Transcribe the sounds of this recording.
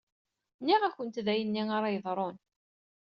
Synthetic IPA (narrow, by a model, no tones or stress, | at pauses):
nːiʁæçənt̪ðæjənːiŋaɾˤɑjðˤɾˤon